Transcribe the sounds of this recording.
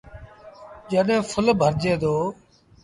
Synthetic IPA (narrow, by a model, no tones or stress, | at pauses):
d͡ʒəɗɦẽːfʰʊlbʱəɾd͡ʒeːd̪oː